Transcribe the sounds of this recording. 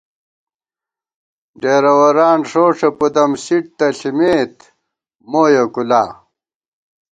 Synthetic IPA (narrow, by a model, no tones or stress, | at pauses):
ɖeːɾɐwɐɾaːnʂoːʂɐpud̪ɐmsiʈ̚t̪ɐɬimeːt̪ | moːjokulaː